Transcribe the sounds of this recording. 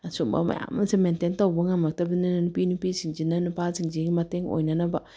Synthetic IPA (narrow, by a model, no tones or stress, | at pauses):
asumba̰ma̰ja̰ma̰nsimɛntɛntauboŋamatabininanpinipisind͡ʒinanipasiŋd͡ʒeŋimateŋo̰inanaba